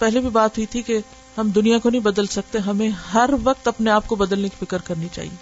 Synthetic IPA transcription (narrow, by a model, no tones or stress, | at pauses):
pɛɦlebʱibaːt̪ɦʊit̪ʰike | ɦɐmd̪ʊnijãkonɐɦĩbɐd̪əlsɐk̚t̪eɦɐmẽɦɐɾʋɐk̚t̪ɐpneaːp̚kobɐd̪əlneki̥fɪkəɾkɐɾnit͡ʃa̰ːɦḭeː